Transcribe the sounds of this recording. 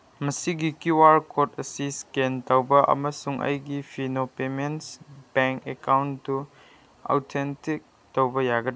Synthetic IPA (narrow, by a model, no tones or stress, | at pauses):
mɐsiɡikiwaɾkotʰɐsiskentawbɐʔɐ̰mɐsuŋʔɐ̰jɡipʰinopemensbeŋkekawntu | a̰wtʰentik̚ | tɐwbɐjaɡɐd